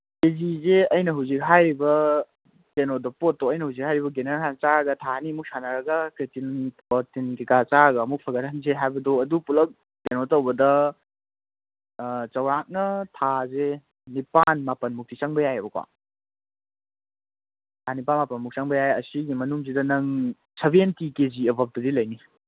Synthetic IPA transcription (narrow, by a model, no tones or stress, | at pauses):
ezizeɐjnɐɦuwzik̚ɦajɾibɐ | tenodɐpotːowɐjnɐhuwzik̚ɦhajɾibɐɡeneɾakant͡ʃaɡɐtʰanimuk̚sanaɾɐɡɐkɾetin | otinkikat͡ʃaɡɐːmuk̚pʰɐɡɐɾɐnzeɦajbɐdoɐdupulɐk̚ | tenotɐwbɐdɐ | t͡ʃɐwɾak̚nɐtʰaze | nipanmapɐnmuk̚tisaŋbɐjajɐbɐkwa̰ | tʰanipanmapɐnmuk̚saŋbɐjajɐsiɡimɐnuŋzidɐnɐŋ | sʰɐbientikeziɐbɐp̚dɐdilɐjni